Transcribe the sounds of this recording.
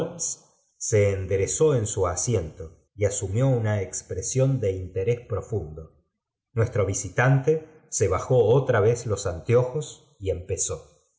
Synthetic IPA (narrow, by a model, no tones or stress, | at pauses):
olsː | e̞ːnd̪eɾeso̞e̞nsuasje̞nt̪o̞ | iasumjo̞unaekspɾesjo̞nd̪e̞int̪e̞ɾespɾo̞fund̪o̞ | nwe̞st̪ɾo̞β̞isit̪ant̪e̞ | se̞β̞axo̞ot̪ɾaβezlo̞sant̪jo̞xo̞s | ie̞mpe̞so̞